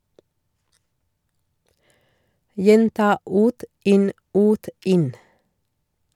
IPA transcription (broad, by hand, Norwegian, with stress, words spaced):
ˈjɛntɑː ˈʉːt ˈʔɪn ˈʉːt ˈɪn